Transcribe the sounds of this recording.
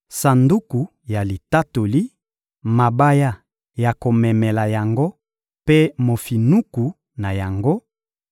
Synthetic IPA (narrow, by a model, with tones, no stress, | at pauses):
sa˨ndu˦ku˨ | ja˨li˨ta˦to˨li˦ | ma˨ba˦ja˦ | ja˨ko˨mɛ˨mɛ˨la˨ja˨ŋɡo˦ | pe˦mo˨fi˨nu˦ku˨ | na˨ja˨ŋɡo˦